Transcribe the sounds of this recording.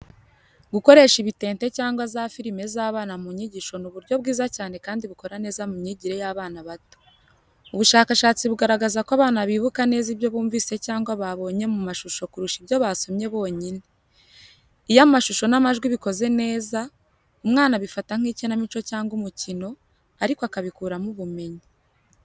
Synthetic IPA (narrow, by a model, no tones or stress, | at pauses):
ɡuko̞ɾe̞ːʃiβite̞ːnte̞caːŋɡwazaːfiɾime̞zaːβaːnamuɲiɟiʃo̞nuβuɾɟo̞βɡiːzacaːne̞kaːndiβuko̞ɾane̞ːzamumɲiɟiɾe̞jaːβaːnaβato̥ | uβuʃaːkaʃaːt͡siβuɡaɾaɡazakwaβaːnaβiːβukane̞ːziβjo̞βuːɱviːse̞caːŋɡwaβaβo̞ːɲe̞mumaʃuʃo̞kuɾuʃiβjo̞βaːso̞mɲe̞βo̞ːɲine | ijamumaʃuʃo̞namaʒɡwiβiko̞ze̞ne̞ːza | umŋaːnaβifataŋ̥iːcinamit͡ʃo̞caːŋɡumucino̞ | aɾikoakaβikuːɾamuβume̞ɲi